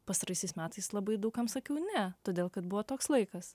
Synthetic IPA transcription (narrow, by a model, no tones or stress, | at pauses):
pɐst̪ɐɾɐɪsʲɛɪsmʲæːt̪ɐɪslˠɐbɐɪd̪ɐʊkɐmsɐkʲɛʊnʲɛt̪oːd̪ʲeːlˠkɐt̪̚bʊʋoːt̪oːkslˠɐɪkɐs